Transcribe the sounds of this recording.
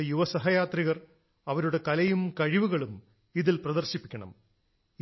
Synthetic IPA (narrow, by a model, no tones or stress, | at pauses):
ejuʋɐsɐɦɐjaːt̪riɣɐr | ɐʋɐɾuɽe̞kɐlɐjumkɐɻiʋuɣɐɭum | iðilprɐðɐrɕipːi̥kʲːɐɳɐ̰m